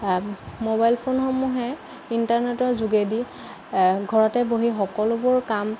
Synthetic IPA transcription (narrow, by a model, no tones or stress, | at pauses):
mobajlpʰonxɔmuɦɛ | intaɹnetɔɹzuɡedi | ɡʱɔɹɔtɛboɦixɔkɔlʊbʊɹkam